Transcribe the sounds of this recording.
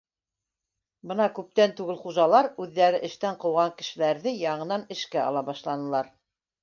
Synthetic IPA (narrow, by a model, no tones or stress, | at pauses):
bɤnɑkʉp̚t̪ænt̪ʉɡɘlχuʒɑlˠɑɾʉðːæɾɘʔɘ̆ʃt̪æɴqɤ̆wʁɑŋkɘ̆ʃɘ̆læɾðɘjɑɴɤ̆nɑnɘ̆ʃkæɑ̰lˠɑbɑʃlˠɑnɤ̆lˠɑɾ